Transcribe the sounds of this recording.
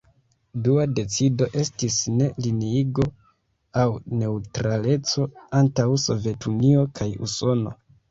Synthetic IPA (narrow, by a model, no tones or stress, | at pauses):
duade̞t͡sido̞ʔe̞stisne̞liniiɡo̞ | awne̞utɾale̞t͡so̞antawso̞vje̞tunio̞kʰajṵso̞no̞̰